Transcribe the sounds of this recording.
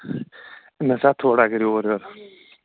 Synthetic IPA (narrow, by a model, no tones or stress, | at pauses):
mɛsæːt̪ʰoːɖɑːɡəɾioːɾjøːɾə